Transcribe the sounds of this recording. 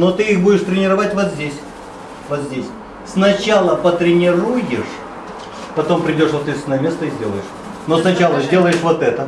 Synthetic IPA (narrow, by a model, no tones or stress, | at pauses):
not̪ɨixbudʲɪʂt̪ɾʲɪnʲɪɾɐvatʲvot̪zʲdʲesʲ | vot̪zʲdʲesʲ | snɐt͡ɕalˠəpət̪ɾʲɪnʲɪrujɪʂ | pɐt̪o̞mpɾʲɪdʲo̞ʂvot̪ːɨsnojmʲe̞st̪əizʲdʲe̞lˠəjɪʂ | nosnɐt͡ɕalˠəzʲdʲe̞lˠəjɪʂvot̪ɛt̪ə